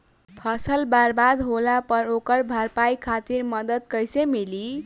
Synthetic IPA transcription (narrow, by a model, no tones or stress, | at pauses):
pʰʌsʌlbarbad̪ɦolapʌɾokʌɾbʱarpajkʰat̪irmʌd̪ʌd̪̚kʌjsemili